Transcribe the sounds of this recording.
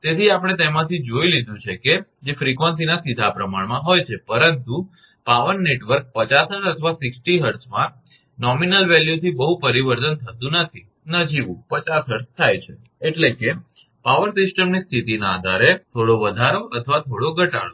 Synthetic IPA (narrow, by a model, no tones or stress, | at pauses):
t̪et̪ʰiapəɽ̃et̪emãt̪ʰid͡ʒoilid̪ũt͡ʃʰeked͡ʒefɾikʋə̃ns̬inasid̪ʱapɾəmaɳmãɦojt͡ʃʰepəɾənt̪u | paʋənːeʈʋəɾk̚pət͡ʃasəɾət̪ʰəʋasɪksʈiɦəɾsmã | nɔminəlʋɛljut̪ʰibəɦupəɾiʋəɾt̪ənt̪ʰət̪ũnət̪ʰi | nəd͡ʒiʋṵ̃pət͡ʃasɦəɾst̪ʰːajt͡ʃʰe | eʈleke | paʋəɾsɪsʈəmnist̪ʰit̪inaːd̪ʱaɾet̪ʰoɽoʋəd̪ʱaɾoʔət̪ʰəʋat̪ʰoɽoɡʱəʈa̰ɭo